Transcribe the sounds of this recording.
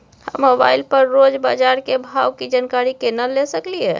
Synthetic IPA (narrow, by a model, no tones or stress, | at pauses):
həmːoba̰ilpəɾːod͡ʒba̰d͡ʒaɾkebʱawkid͡ʒankaɾikenəlesəkliɛ̰